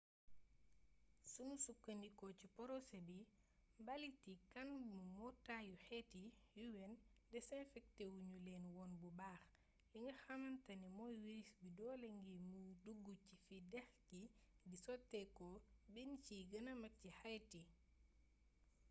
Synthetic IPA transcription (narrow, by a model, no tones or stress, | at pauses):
sunusukːɐnikɔcipɔɾɔsebi | mbɐlitikɐnmumɔtajuxɛtijuwɛndɛsɛnfɛk̚tewuɲulɛːnwɔːnbubaːx | liŋɡɐxɐmɐntɐnimɔjwiɾisbidɔːlɛŋɡimuduɡːucifidɛxɡidisɔtːɛkɔbinciɡɐnɐmɐcihajti